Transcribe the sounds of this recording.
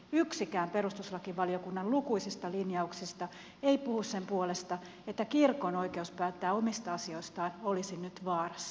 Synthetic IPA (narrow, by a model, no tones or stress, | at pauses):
yksikæːmpeɾust̪uslɑkiʋɑliokunːɑllukuisist̪ɑlinjɑuksist̪ɑ | eipuhusse̞mpuolest̪ɑ | et̪ːækirko̞noike̞uspæːt̪ːæːomist̪ɑɑsio̞ist̪ɑːnolisinnyt̪ʋɑːrɑs